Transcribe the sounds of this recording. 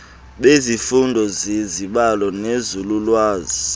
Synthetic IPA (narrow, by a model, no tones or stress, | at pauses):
ɓezifundʱɔzeziɓalɔnezululwaːzi